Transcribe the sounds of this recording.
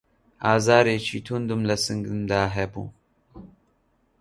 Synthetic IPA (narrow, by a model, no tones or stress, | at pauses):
aːzaːɾeːt͡ʃʰiːt̪ʰund̪umlɐsɨŋɡɨmd̪aːɦɛbṵː